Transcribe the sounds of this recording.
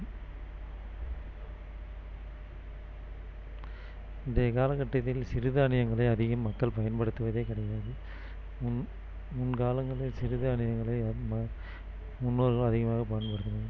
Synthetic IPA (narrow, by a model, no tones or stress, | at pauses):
ɪnd̪ɐjɐkaːlɐkːɐʈːɐt̪ːɪlsɪɾɯðɯɐɳɪjɐŋɡɐɭɐɪɐðɪɣɐmːɐkːɐɭpɐjɐnpɐɽɯt̪ːɯʋɐðeːkɪɽɐjaːðɯ | ʊn | mʊnkaːlɐŋɡɐɭɪlsɪɾɯðɯɐɳɪjɐŋɡɐɭɐɪmɐ | mʊnːoːɾɣɐɭɐðɪɣɐmaːɣɐpɐjɐnpɐɽɯt̪ːɯnɐðɐ